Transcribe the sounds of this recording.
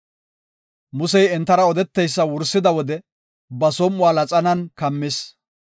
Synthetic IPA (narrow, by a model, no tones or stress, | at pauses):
mʊsɛjɛnt̪ːɐɾɐɔd̪ɛt̪ːɛjsːɐwʊɾsːɪd̪ɐwɔd̪ɛ | bɐsɔmːʊwaːlɐt͡sʼɐnɐnkɐmːɪs